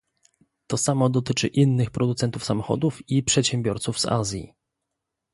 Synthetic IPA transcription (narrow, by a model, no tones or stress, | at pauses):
t̪ɔsamɔd̪ɔt̪ɘt͡ʂɘ̰ʔinːɘxpɾʔɔd̪ut̪sɛnt̪ufsamɔxɔ̰d̪ufipʂɛt̪ɕɛmbʲjɔɾt̪suvz̥a̰zʲjḭ